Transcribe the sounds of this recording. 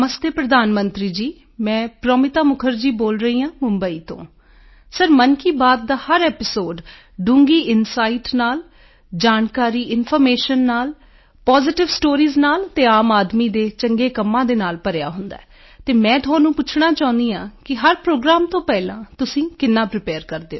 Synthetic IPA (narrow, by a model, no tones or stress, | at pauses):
məst̪eːpɾəd̪aːnmənt̪ɾiːd͡ʒiː | mɛ̃ːpɾəːmɪt̪aːmʊkʰəɾd͡ʒiːboːlɾəɦiːãːmʊmbəiːt̪õ̰ː | səɾmənkiːbaːd̪̚ːaːhəɾɛːpɪsoːɖ | ɖũːŋɡiːʔɪnsaːiʈnaːl | d͡ʒaːnkaːɾiːʔɪnpʰɔɾmeːʃənːaːl | paːzɪʈɪʋsʈoːɾiːznaːlt̪eːaːmaːd̪miːd̪eːt͡ʃəŋɡeːkəmːãːd̪eːnaːlpəɾeja̰ːɦʊnd̪a̰ːɛ | t̪eːmɛ̃ːt̪ʰʊãːnũːpʊt͡ʃʰɽaːt͡ʃaːʊ̃nd̪iːãːkɪɦəɾpɾoːɡɾaːmt̪õːpɛːlã̰ːt̪ʊsĩːkɪnːãːpɾɪpɛːɾkəɾd̪eːoː